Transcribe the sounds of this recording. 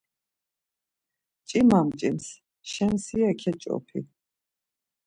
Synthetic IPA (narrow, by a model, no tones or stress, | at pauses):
t͡ʃʼimamt͡ʃʼims | ʃɛnsiakʰɛt͡ʃʼɔ̰pʰḭ